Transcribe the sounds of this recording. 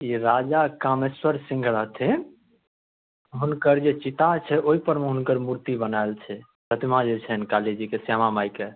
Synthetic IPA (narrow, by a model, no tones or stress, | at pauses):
iɾad͡ʒakameswəɾsĩŋɡʱɾət̪ʰe | ɦunkəɾd͡ʒet͡ʃit̪at͡ʃʰɛʔoɦipəɾmeɦunkəɾmuɾt̪ibənaelt͡ʃʰɛ | pət̪imad͡ʒet͡ʃʰɛnkaled͡ʒikesamamajke